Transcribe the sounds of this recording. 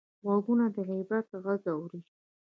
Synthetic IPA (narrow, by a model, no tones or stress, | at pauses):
ɣwɑɡunad̪əɣijbat̪ɣazawuɾi